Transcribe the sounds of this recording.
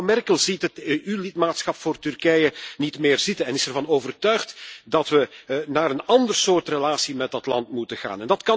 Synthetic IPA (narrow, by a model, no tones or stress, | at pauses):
mɛrkəlˠzitɦəteʔylɪtmaːtsxɑpfoːrtʏrkɛjənitmɪːrzɪtənɛnɪsɛrvɑnoːvərtœɥxtdɑtʋənaːɾənɑndərsoːrtrəlaːsimɛdɑtlɑ̰ntmutəɣa̰ːnɛndɑtkɑ